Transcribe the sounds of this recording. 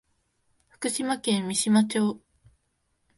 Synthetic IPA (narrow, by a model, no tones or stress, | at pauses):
ɸɯ̟̥kɯ̟ɕimakẽ̞mːʲiɕimat͡ɕo̞ː